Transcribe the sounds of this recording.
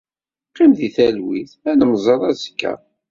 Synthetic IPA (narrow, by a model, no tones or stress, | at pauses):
qːimðiθælwiθænəmzˤəðˤæzkːæ̰